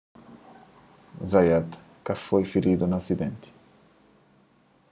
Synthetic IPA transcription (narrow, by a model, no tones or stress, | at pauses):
zajat̪ | kafojfiɾid̪unasid̪ɛ̃nt̪i̥